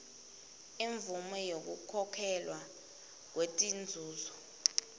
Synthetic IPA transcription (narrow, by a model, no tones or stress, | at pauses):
eɱvumɛjok̬ukʰɔkʰɛlwa | k̬wetʼind͡zʱuːzɔ